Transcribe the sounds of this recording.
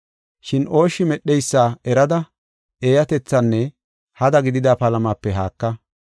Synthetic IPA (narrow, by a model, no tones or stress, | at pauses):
ʃɪnʔo̞ːʃːɪmɛɗːɛjsːaːɛɾɐd̪ɐ | e̞ːjɐt̪ɛt͡sːɐnːɛ | hɐd̪ɐɡɪd̪ɪd̪aːpɐlɐmaːpːɛɦaːkːɐ